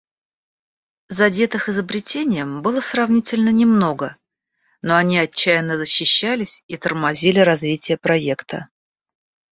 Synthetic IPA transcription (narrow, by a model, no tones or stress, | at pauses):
zɐdʲe̞t̪ɨxɪzəbɾʲɪtʲenʲɪjəmbɨlˠəsrɐvnʲitʲɪlʲnənʲɪmno̞ɡə | no̞ɐnʲiɐt͡ɕːæjɪnːəzəɕːɪɕːælʲɪsʲit̪ərmɐzʲilʲɪɾɐzvʲitʲɪjəpɾɐe̞kt̪ʰə